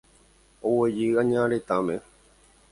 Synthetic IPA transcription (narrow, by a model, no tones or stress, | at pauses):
owed͡ʒɨãɲãɾet̪ãmẽ